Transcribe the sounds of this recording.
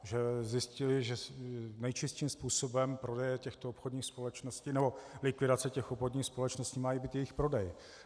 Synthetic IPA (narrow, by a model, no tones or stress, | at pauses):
ʒɛzjɪscɪlɪʒɛnɛjt͡ʃɪst̪ʃiːmspuːso̞bɛmpɾo̞dɛjɛcɛxt̪oopxodɲiːxspo̞lɛt͡ʃnoscinɛbo̞lɪkʋɪdat͡sɛcɛxopxodɲiːxspo̞lɛt͡ʃnosciːmaːjibiːt̪jɛjɪxpɾo̞dɛj